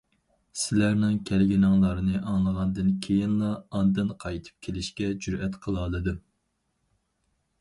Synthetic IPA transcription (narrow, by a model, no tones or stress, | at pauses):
sɪlæɾnɪŋkʲʰɛlɡʲinɑŋlˠɑɾɨnɨʔɑŋlˠəʁɑnd̪ɨnkʲʰejinlˠɑɑnd̪ɨnqʰɑjt̪ʰɨ̥p̚kʲʰelɪʃkʲɛd͡ʒyɾɛt̪qʰəlˠɑlˠɨd̪u